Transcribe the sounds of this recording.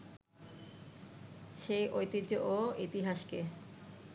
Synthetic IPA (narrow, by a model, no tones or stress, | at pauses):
ʃejʔojt̪id̪d͡ʑoʔoit̪iɦaʃke